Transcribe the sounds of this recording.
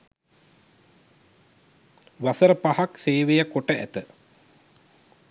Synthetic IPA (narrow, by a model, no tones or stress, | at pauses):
ʋasəɾəpahakseːʋejəkoʈəʔæ̰t̪ə